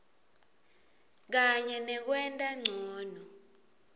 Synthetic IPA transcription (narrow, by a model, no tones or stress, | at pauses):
k̬aɲɛnɛk̬wɛntʼaŋ͡ǀʱɔːnɔ